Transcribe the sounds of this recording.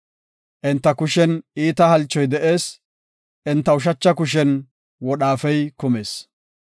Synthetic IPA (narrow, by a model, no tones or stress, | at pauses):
ʔɪnt̪ːɐkʊʃɛniːt̪ɐhɐlt͡ʃːɔjd̪ɛʔe̞ːs | ʔɪnt̪ːɐʊʃ̬ɐt͡ʃːɐkʊʃɛn | wɔɗaːfɛjkʊme̞ːs